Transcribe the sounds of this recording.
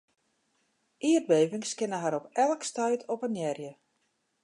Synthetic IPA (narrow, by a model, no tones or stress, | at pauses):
ʔiər̚beːvɪŋskɪnəɦaɾɔpɛlˠkstœɥtʰɔpənjɛrjə